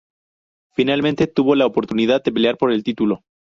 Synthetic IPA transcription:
finalmẽnt̪e̞t̪uβo̞laopo̞ɾt̪unið̞aðd̪e̞pe̞leaɾpo̞ɾe̞lt̪it̪ulo̞

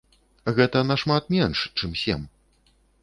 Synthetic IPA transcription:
ɣɛt̪ɐnaʂmat̪̚mʲɛnʂt͡ʂɨmsʲɛ̰m

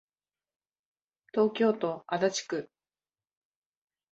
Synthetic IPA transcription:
t̪o̞ːkʲo̞ːt̪o̞ʔad̪at͡ɕi̥kɯ̟

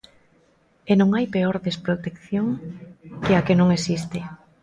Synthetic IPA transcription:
enõŋajpeoɾðespɾot̪ekθjoŋkeakenõŋesist̪ɪ

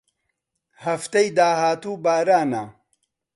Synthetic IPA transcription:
hɐft̪ejd̪aːhaːt̪uːbaːɾaːna

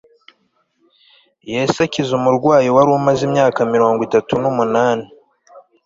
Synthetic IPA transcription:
jesacizumuɾɡwaːjiwaɾumazimɲaːkamiɾo̞ːŋɡwitatunumunaːni

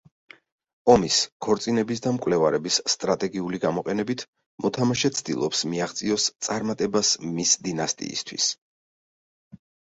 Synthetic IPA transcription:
ɔmiskʰɔɾt̪sʼinɛbis̬d̪amkʼwlɛvaɾɛbisːt̪ʼɾat̪ʼɛɡiuliɡamɔqʼɛnɛbit̪ʰ | mɔt̪ʰamaʃɛt̪sʰd̪̥ḭlˠɔpsmiaχt̪sʼiɔst̪sʼaɾmat̪ʼɛbasmisd̪inast̪ʼḭːst̪ʰwḭs

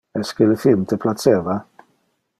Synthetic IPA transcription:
ɛskɪləfilmt̪ʰəplat͡sɛːva

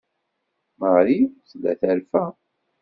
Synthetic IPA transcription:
məʁɾit͡sːlːæ̰θæɾfæ

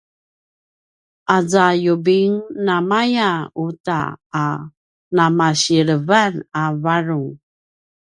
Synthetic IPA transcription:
ʔazajubiŋnamajauta̰ː | namaɕiɾəvanavaɾuŋ

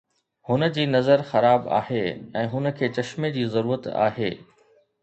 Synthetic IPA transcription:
hʊnə̆d͡ʑiːnɐzəɾxɐɾaːba̰ːɦeɛ̃ːɦʊnə̆kʰeːt͡ɕɐʃmed͡ʑiːzɐɾuːɾət̪a̰ːɦeː

